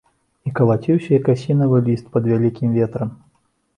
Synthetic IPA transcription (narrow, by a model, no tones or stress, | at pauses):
ikɐlˠat͡sʲiwsʲɐjɐkasʲinɐvɨlʲist̪̚pɐd̪vʲalʲikʲimvʲɛt̪ɾɐm